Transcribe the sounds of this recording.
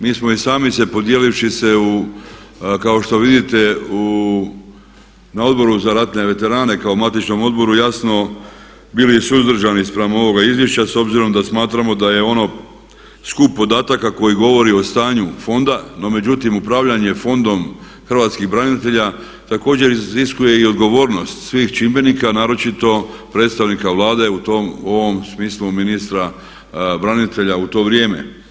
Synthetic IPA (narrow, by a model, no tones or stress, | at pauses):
miːsmo̞isaːmisepo̞d̪je̞lifʃise̞u | kao̞ʃt̪o̞ʋid̪it̪e̞u | nao̞d̪bo̞ɾuzaɾat̪ne̞ʋe̞t̪e̞ɾaːne̞kaomat̪it͡ʃno̞mo̞d̪bo̞ɾujasno̞ | bilisuzd̪r̩ʒanispɾamo̞ʋo̞ɡaizʋjeʃt͡ɕaso̞bziɾo̞md̪asmaːt̪ɾamo̞d̪aje̞o̞no̞ | skupːo̞d̪aːt̪akako̞jiɡo̞ʋo̞ɾio̞st̪aːɲufo̞nd̪ano̞me̞d͡ʑut̪imupɾaʋʎaɲe̞fo̞nd̪o̞m | xr̩ʋat̪skiɣbɾanit̪e̞ʎa | t̪ako̞ːd͡ʑe̞ɾiziskuje̞io̞d̪ɡo̞ʋo̞ːɾno̞st̪sʋiːxt͡ʃimbe̞nikanaːɾo̞t͡ʃit̪o̞pɾe̞ːt̪st̪aʋnikaʋlˠaːd̪e̞ut̪o̞mo̞ʋo̞msmiːsluminist̪ɾa | bɾanit̪e̞ʎaut̪o̞ːʋɾje̞ːmḛ